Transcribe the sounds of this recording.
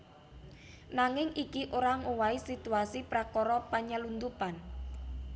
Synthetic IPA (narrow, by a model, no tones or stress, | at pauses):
naŋɪŋikiʔoɾaŋowaisit̪uasipɾakɔɾɔpaɲəlund̪upan